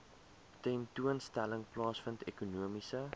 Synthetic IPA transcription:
tɛntuənstæləŋplɑːsfəntekunuəmisə

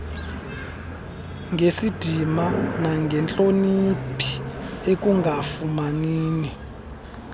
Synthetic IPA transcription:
ŋʱesid̥ʱimanaŋɡʱɛnt͡ɬʼonipʰi̥ek̬ʼuŋɡafumaniːni

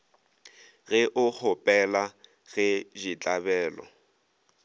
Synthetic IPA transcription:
ɣɪʔʊk͡xʰʊpʼɛla | ɣɛʒit͡ɬʼabɛːlɔ̰

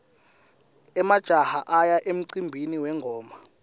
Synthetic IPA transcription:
ɛmad̥ʒ̥ʱahaʔajaʔem̩ǀimbʱiniwɛŋɡʱɔːma

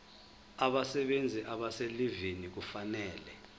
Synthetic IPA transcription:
aɓasɛɓend͡zʱiʔaɓaselivinik̬ufanɛːlɛ

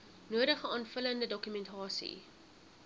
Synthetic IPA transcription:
nuəɾəχəɑːnfələndədɔkymɛntʰɑːsḭ

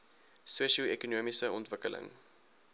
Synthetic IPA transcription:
suəʃiuɛkunuəmisəɔntvəkəlʔə̰ŋ

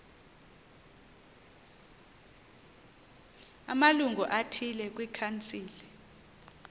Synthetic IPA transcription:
a̰maluŋɡʱuʔatʰilɛk̬ʼwikʰant͡sʼiːli

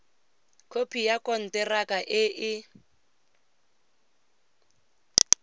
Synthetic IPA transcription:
kʰopʰijakʼɔn̩tɛrakʼaʔɪʔɪ

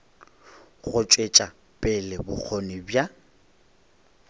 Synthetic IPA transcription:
ɣʊt͡ʃʼet͡ʃʼa | pʼɪlɪbʊ̰k͡xʰonɪbja

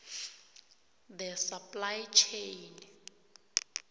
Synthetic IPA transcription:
d̪ɛsapʼlajt͡ʃʰejn

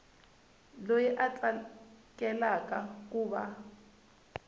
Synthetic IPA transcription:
lojiʔat͡ɬʼakʼɛlakʼakʼuːβa̰

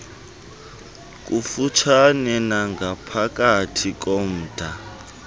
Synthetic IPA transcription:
k̬ʼufut͡ʃʰanɛnaŋɡʱapʰak̬ʼatʰik̬ʼom̩ːd̥ʱa

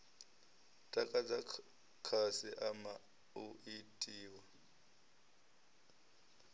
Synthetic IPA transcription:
tʼakʼad͡za | kʰasiʔama | uʔitʼiːwa

